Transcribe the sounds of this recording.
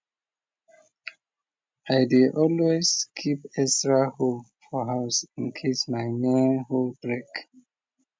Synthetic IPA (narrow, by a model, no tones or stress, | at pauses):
aɪdeʔɔlweskʰipɛstɹaholfɔɦaʊsĩnkʰesmaɪnẽnholbɹek